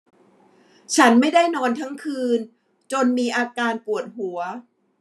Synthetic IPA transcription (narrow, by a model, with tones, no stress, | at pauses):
t͡ɕʰa˦˥nma˥˩jda˥˩jnɔː˧nt̪ʰa˦˥ŋkʰɯː˧n | t͡ɕo˧nmiː˧ʔaː˧kaː˧npu˨˩ət̪̚hu˩˦ɐ